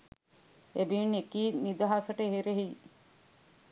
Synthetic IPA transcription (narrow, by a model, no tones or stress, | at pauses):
ebinekiːnid̪ɐɦasəʈeɦeɾeɦij